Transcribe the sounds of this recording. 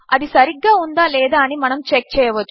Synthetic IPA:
ɐðisɐɾiɡːaːund̪aːleːðaːnimɐnɐmt͡ʃɛk̚t͡ʃɛjɐʋɐd̪u

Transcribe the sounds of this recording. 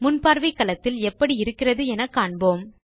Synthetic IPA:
mʊnpaːɾʋɪkːɐlɐt̪ːɪlɛpːɐɽiɪɾɯkːɪrɐðɯɛnɐkːaːɳboːm

